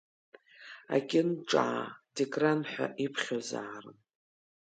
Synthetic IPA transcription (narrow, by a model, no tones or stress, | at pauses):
a̰ɡʲɪnʈ͡ʂʼaːdekʼranħʷᶣa̰ʔipʰχʲozaːrɨ̰n